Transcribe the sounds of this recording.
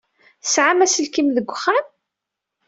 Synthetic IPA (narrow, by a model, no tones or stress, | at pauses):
θsʕamæsəlkimðəɡʷːχːam